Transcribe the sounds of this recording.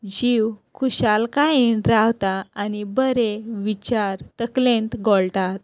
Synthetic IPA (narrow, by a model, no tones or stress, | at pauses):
d͡ʑiwkʰuɕalkajinɾawt̪aːnibəɾeʋit͡ɕaɾt̪əklẽnt̪ɡɔɭʈ̪at̪